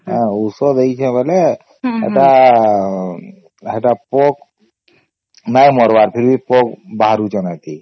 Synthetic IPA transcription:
ɦãusɔd̪eit͡ʃʰɛ̃bəle | ḛʈa | ɦeʈapok | najmɔɾbaɾpʰiɾbʱipok̚baɦɾut͡ʃənat̪i

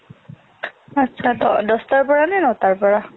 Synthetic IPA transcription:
atːʃʰaɔdɔstaɹpɔɹanɛnɔtaɹpɔɹa

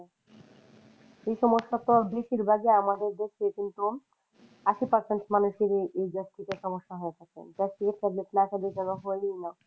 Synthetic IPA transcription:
ʃejʃɔmoʃːat̪obeʃiɾbʱaɡeamad̪eɾd̪ekʰekint̪u | aʃipaɾseɳʈmanuʃeɾeʔejd͡ʑast̪it̪aʃɔmoʃːaɦoet̪ʰakḛd͡ʑat̪iket̚kɛbleʈnakʰad̪ekɛbaɦojnina

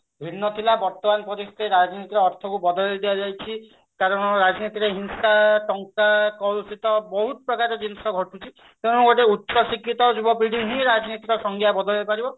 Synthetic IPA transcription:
bʱinːɔt̪ʰilabɔɾt̪ɔmanpɔɾist̪eɾad͡ʒɔnit̪iɾeɔɾt̪ʰɔkubɔd̪ɔlid̪iad͡ʒajt͡ʃʰi | kaɾɔɽ̃ɔɾad͡ʒnit̪iɾeɦinsaʈɔŋkakɔlsit̪ɔbɔɦut̪ɔpɾɔkaɾed͡ʒinsɔɡʱɔʈʰut͡ʃʰi | t̪eɽ̃ũɡoʈeutːʃʰɔsikːit̪ɔd͡ʒubɔpɾiɽ̤iɦĩɾad͡ʒnit̪iɾɔsɔŋɡʱjabɔd̪ɔlbepaɾibɔ

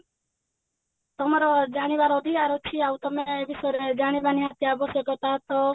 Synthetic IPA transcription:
t̪ɔmɔɾɔd͡ʒaɽ̃ibaɾɔːd̪ʱikaɾɔt͡ʃʰiaut̪ɔmebisɔɾed͡ʒaɽ̃ibaniɦat̪jabɔsɔkɔt̪at̪ɔ

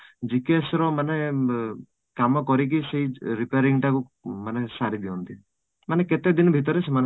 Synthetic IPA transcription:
d͡ʒikesɾɔmane | kamɔkɔɾik̬iseɦiɾipeaɾiŋʈaku | manesaɾid̪iɔnt̪i | maneket̪ed̪inɔbʱit̪ɔɾeseman

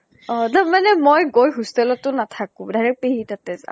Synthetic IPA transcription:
ɔ̃taɹmanɛmojɡojɦustɛlɔtʊnatʰakʊ̃dajɹɛk̚peɦitatɛza̰

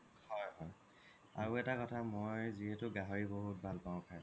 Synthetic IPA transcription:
hɔjɦɔj | a̰ɹuɛtakɔtʰamojziɦetʊɡaɦoɹiboɦut̚bʱalpãʊ̃kʰaj

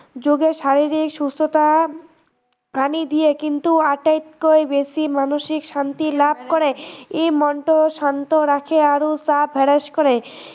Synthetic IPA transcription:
d͡ʑoɡeʃaɾiɾikʃust̪ot̪a | ɾanid̪ijekint̪uaʈajt̪koebesimanoʃikʃant̪ilab̚ʱkoɾeejmɔɳʈoʃant̪oɾakʰeaɾosabʱɛɾeʃkoɾe

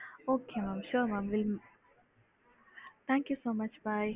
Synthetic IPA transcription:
oːkeːmaːmʃʊɾmaːmʋɪl | t̪ʰãːŋkjusoːmɐt͡ʃbaːj

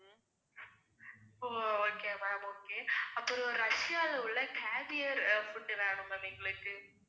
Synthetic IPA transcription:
ɪpːooːkeːʋaoːkeːɐpːɔɾɯɔɾɾɐʂɪjaːlɐʋɯɭːɐkeːʋɪjɐɾfʊʈːɯʋeːɳɯmɐniːŋɡɐɭɯkːɯ

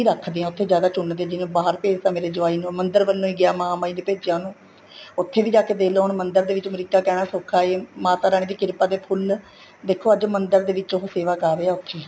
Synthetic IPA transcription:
iːɾəkʰd̪eːãːʊt̪ʰːeːd͡ʒjaːd̪aːt͡ʃʊɳːd̪eãːd͡ʒɪʋẽːbaːɦəɾpeːd͡ʒt̪ãːmeːɾeːd͡ʒʊaːiːnũːmənd̪əɾʋəlːõːiːɡɪaːmaːmaːiːneːpeːd͡ʒjãːnũː | ʊt̪ʰːeːʋiːd͡ʒaːkeːd̪eːloːɦɳmənd̪əɾd̪eːʋɪt͡ʃəmɾiːkaːkɛːɽ̃aːsokʰaːeːmaːt̪aːɾaːɽ̃ĩːd̪iːkɪɾpaːd̪eːpʰʊl | d̪eːkʰːoːəd͡ʒmənd̪əɾd̪eːʋɪt͡ʃɦoːseːʋaːkaːɾeːaːʊt̪ʰːeː

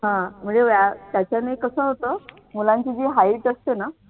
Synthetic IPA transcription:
ɦãm̤əɳd͡zeʋjat̪jat͡ɕjanəjkəsəːɦot̪əː | mulãɲt͡ɕiːd͡ʑ̪iːɦaiʈəst̪ena

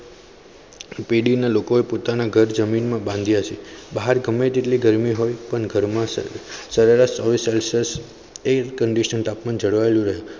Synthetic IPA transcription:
peɽinalokoepot̪anaɡʱəɾd͡ʒəminmãbãnd̪ʱijat͡ʃʰebaɦaɾɡəmed͡ʒ̪eʈliɡəɾmiɦojpəɳɡʱəɾmãsəɾeɾaʃɔʋiselsəs | ekəɳɖiʃənt̪apmand͡ʒəɽʋaelũɾəɦje

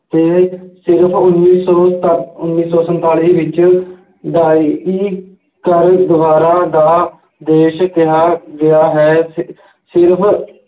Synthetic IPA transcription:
t̪eːsɪɾpʰʊnːiːsɔːʊnːiːsɔːsənt̪aːliːʋɪt͡ʃ | d̪aːiː | kəɾd̪əʋaːɾaːd̪aː | d̪eːʃt̪ɪɦaːɡɪaːɦɛː | sɪɾpʰ

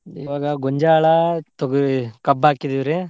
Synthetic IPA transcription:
ḭʋaːɡɐɡɔɲd͡ʒaːɭɐt̪oɡkɐbaːkid̪iʋɾe

